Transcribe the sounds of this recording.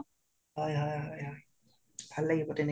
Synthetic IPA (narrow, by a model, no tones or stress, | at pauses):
ɦɔjɦɔjɦɔjɔj | b̥ʱalːaɡibɔtɛne